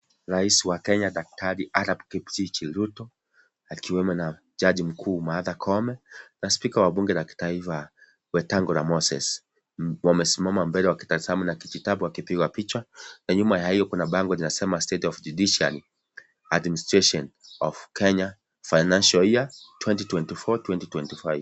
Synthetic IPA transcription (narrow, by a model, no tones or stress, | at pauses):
ɾaisiwakɛɲaɗak̚taɾiʔaɾapkiptikilutɔ | akiwɛmɔna | d͡ʒaʄim̩kʰuːmaðakʰɔmɛnaspikawaaɓuŋɡɛnaki̥taifa | wɛtaŋɡɔɾa̰mɔsɛ̰s | wamɛsimamambɛlɛwaki̥taisamunakikitaɓuwakipiɡwapit͡ʃwanaɲumajahijɔkunaɓaŋɡɔlinasɛmastɛtɔvd͡ʒuɗiʃiali | administɾɛʃɔnɔvkɛɲa | fainanʃɔiatwɛntitwɛntifɔtwɛntitwɛntifajv